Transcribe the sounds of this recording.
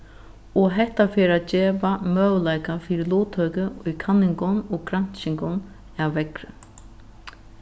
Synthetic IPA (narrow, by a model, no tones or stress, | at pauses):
ɔɦɛht̪afeːɾaːt̪̚d͡ʑeːʋamœːwlajkafiːɾɪluːt̪ʰhœːkəʊjkʰanːɪŋkʊnɔkɾan̥t͡ʃɪŋkʊn | awːɛkɾʏ̰